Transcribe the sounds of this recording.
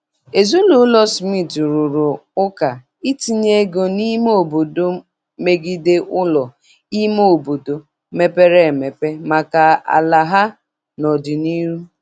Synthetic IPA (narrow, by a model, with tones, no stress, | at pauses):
e˨zu˦lu˨˦lɔ˦smi˦˨tɾʊ˨ɾʊ˨ʊ˦ka˨ | i˦ti˨ɲe˦ɡo˨ni˦mo˨bo˨do˦ | me˨ɡi˨de˦ʔʊ˦lɔ˨ | i˦mo˦o˨bo˨do˨ | me˦pe˦ɾe˦˨me˨pe˦ma˨ka˨a̰˨la˨ɦa˦ | nɔ˨dɪ˨ni˦ɾu˦